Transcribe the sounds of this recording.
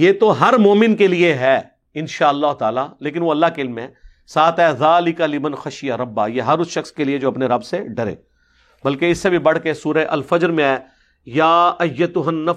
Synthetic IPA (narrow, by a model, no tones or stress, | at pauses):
jeːt̪oɦɐɾmoːmɪnkelieɦɛː | ɪnʃaːɐlːaːɦʊt̪aːlaleːk̬ɪnʋoɐlːaɦkeɪlmẽɛ̃ | saːt̪ɛːðaːlɪkalɪmɐnxɐʃɪjaɾɐbːaːjeɦɐɾʊsʃɐxskelied͡ʒoːɐpneɾɐbseɖɐɾḛː | bɐlkeɪsːebʱibɐɽ̤kesuːɾeʔɐlfɐd͡ʒɾmẽɛː | jaːɐjːɐt̪ʊɦɐnːɐ